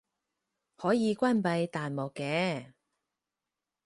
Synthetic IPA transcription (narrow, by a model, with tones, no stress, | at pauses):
hɔː˨˥jiː˨˧kʷaː˥npɐ˧jt̪aː˨nmɔː˨˩kːɛː˨˧